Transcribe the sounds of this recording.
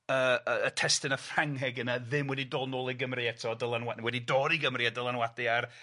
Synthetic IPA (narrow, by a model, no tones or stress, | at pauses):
əəːtʰɛstɨnafraŋɦɛɡənaðɪmwɛdidɔlˠnoːlˠiɡəmrɨɛtʰɔdəlˠanwawɛdidɔːɾiɡəmriadəlˠanwadɪar